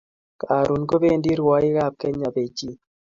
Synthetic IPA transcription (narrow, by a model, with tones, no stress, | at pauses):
kaː˨ɾu˨nɡo˦be˦˨ndi˦ɾwɔ˦i˦ɣa˦˨p̚kɛ˦ɲa˨be˨d͡ʒi˦